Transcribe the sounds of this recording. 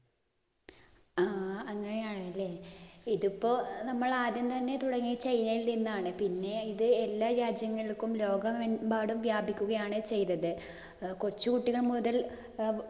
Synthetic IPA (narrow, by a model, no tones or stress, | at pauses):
aːɐŋːɐnejaːɳɨɐlːe̞ːiðupːo̞ːnɐmːɐɭaːðjɐmt̪ɐnːe̞t̪uɽɐŋːit͡ɕejnɐjilninːaːɳɨpinːe̞iðɨelːaːɾaːd͡ʑjɐŋːɐɭikːumlo̞ːɡɐmebaːɽumʋjaːbʱikʲːuɣɐjaːɳɨt͡ɕe̞jt̪ːɐðɨ | kot͡ɕːukuʈːiɣɐɭmuðɐl